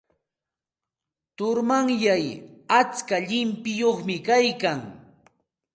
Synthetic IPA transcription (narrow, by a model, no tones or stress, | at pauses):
t̪ʊɾmaŋjajat͡skaʎɪmpɪjoχmɪkajkaŋ